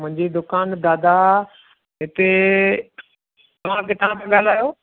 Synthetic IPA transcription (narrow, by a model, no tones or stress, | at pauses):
mʊ̃ɦɪ̃ɲd͡ʑid̪ʊkaːnd̪aːd̪a | ɦɪt̪e | t̪ɐʋ̤ãkʰeːt̪ɐʋ̤ãkʰeɠaːl̤aːjoː